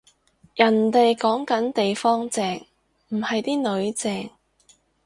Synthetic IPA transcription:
jɐ˨˩nt̪e˨jkɔː˨˥ŋkɐ˨˥nt̪e˨jfɔː˥ŋt͡sɛː˨˩ŋ | m̩˨˩hɐ˨jt̪iː˥nɵ˨˧˥ɥt͡sɛː˨˩ŋ

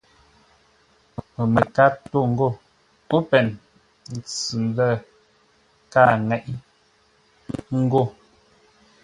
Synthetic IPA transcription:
mə˨me˨ka˦to˦˨ŋ̩˦ɡo˦˨ | o˦pɛ˨n̩˨ | t͡sɨ˨lɛ˦˨ | ka˦˨ŋɛ˨ʔi˦ | ŋ̩˦ɡo˦˨

